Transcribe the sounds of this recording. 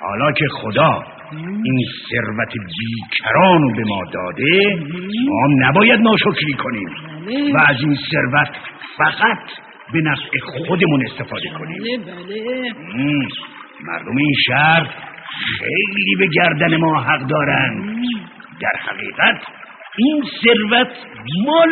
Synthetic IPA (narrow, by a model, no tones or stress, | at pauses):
hɒ̰ːlɒːkʰe̞xod̪ɒː | inse̞ɾvæt̪ʰebiːcʰæɾɒːnobe̞mɒːd̪ɒ̰ːd̪e | mɒ̰ːhmnæbɒːjæd̪̚nɒːʃocɾiːkʰo̞niːmvæːzinse̞ɾvæt̪fæɣæt̪ʰ | be̞næfʔeχχod̪e̞mune̞st̪e̞fɒːd̪e̞kʰonḭːm | mæ̰ɾd̪o̞meinʃæɾt̪χejliːbe̞ɡæɾd̪ænemɒːɦæɢd̪ɒːɾænd̪ | d̪æɾhæ̰ɣiːɣæt̪ʰ | inse̞ɾvæt̪ʰmɒː